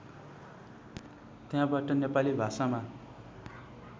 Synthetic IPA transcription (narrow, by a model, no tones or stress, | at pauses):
t̪jãbaʈʌnepalibʱasama